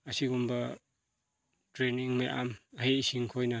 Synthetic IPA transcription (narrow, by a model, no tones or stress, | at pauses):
ɐsiɡumbɐ | tɾeniŋmajʔa̰mhejsiŋkʰojnɐ